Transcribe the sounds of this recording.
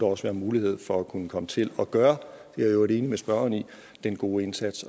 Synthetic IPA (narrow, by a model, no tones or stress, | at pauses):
ɒɒ̽sʋæɐmuːlihe̝ð̞̰ˠfɒ̽ækʰunəkʰɒ̽mət͡sʰe̝lɒ̽ɡ̥ɶːɐd̥eæjoɐɾe̝ːnimesb̥ɶɐɐni | d̥enɡ̥o̝ːe̝nsæd̥s